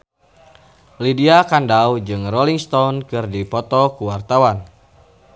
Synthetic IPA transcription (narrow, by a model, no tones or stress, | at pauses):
lidiakandawd͡ʒɨŋrɔliŋst̪ɔunkɨrdipɔt̪ɔkuwart̪awan